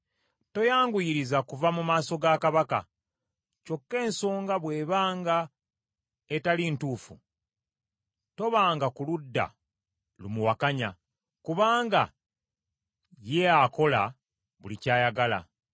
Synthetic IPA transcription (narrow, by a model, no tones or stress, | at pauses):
to̞jaːŋɡujiɾizakuvamumaːso̞ɡakaβaka | co̞kːe̞ːnso̞ːŋɡaβwe̞ːβaːŋɡa | etalintuːfṵ | to̞βaːŋɡakuludːa̰ | lumuwakaɲa | kuβaːŋɡa | jeako̞la | βulicaːjaɡala̰